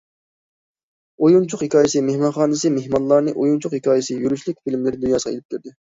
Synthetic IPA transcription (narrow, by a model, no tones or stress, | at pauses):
ojunt͡ʃʰʊqhekʲʰɑːjɪsɨmehmɑnχɑːnɨsɨmehmɑnlˠːɑɾnɨʔojunt͡ʃʰʊqhekʰʲɑːjɪsɨjyɾyt͡ʃʰlɪkʲfilmlɪɾɪd̪unjɑːsə̥ʁʰɑḛlɪp̚kʲiɾd̪ɪ